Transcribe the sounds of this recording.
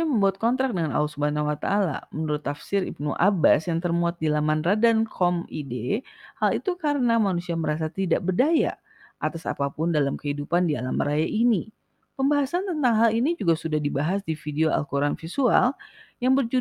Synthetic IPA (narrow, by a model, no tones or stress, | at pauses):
aməmbuat̪̚kɔnt̪ɾak̚dəŋana̰ulsubanawat̪aːla̰mənuɾʊt̪ːafsɪɾḭb̚nṵʔabasjaŋt̪ərmuat̪̚dilamanradankʰɔmidehalit̪ukaɾənamanusiaməɾas̬at̪idaʔbərdaja̰ | ʔat̪asa̰papʊndalamkəhidupandia̰lamrajaʔini | pəmbaɦasant̪ənt̪aŋɦalinid͡ʒuɡasudahdibaɦasdifideoa̰lkuɾanfisua̰ljaŋbərd͡ʒu